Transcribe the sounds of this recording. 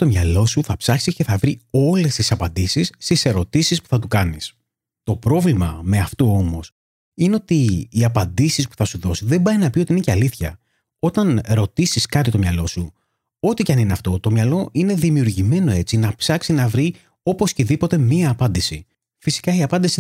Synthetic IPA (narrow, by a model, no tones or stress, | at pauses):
t̪o̞mɲɐlo̞suθɐpsɐksice̞θɐvɾio̞le̞st̪isɐpɐnd̪isisːt̪ise̞ɾo̞t̪isispu̥θɐt̪ukɐnis | t̪o̞pɾo̞vlimɐme̞ɐft̪oomo̞s | ineo̞t̪iːɐpɐnd̪isispu̥θɐsuðo̞siðe̞bɐjnɐpioiineceɐliθçɐ̰ | o̞t̪ɐnɾo̞t̪isiskɐt̪it̪o̞mɲɐlo̞su | o̞t̪icɐnineɐft̪o̞t̪o̞mɲɐlo̞ʔine̞ðimiuɾʝime̞no̞e̞t͡sinɐpsɐksinɐvɾi | o̞po̞sceðipo̞t̪e̞miɐːpɐnd̪isi | fisi̥kɐiɐpɐnd̪isi